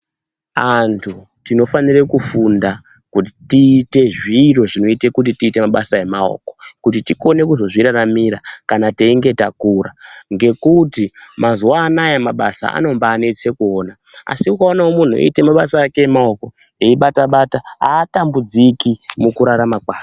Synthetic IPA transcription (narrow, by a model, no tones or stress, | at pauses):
antʰu | tino̞fanirekufunda | kut̬itiːte̞ʐiːro̞ʐino̞ite̞kut̬itiːte̞maɓasae̞mao̰ko̞̥kut̬itiko̞ne̞kuzo̞ʐiɾaramiɾakanateiŋɡe̞ta̰kuɾaŋɡe̞kutimazuwaːnajemaɓasa̰a̰no̞mbaːne̞t͡se̞kuo̞ːna | a̰siukaonaomun̤uḛite̞maɓasaːkeemao̞ko̞ | eiɓataɓataa̰ːtambud͡zikimukuɾaɾamakaː